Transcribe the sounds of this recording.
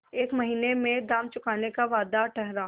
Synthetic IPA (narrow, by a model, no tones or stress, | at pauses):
eːkmɐɦiːnemẽd̪aːmt͡ʃʊkaːnekaʋaːd̪aʈɛɦɾaː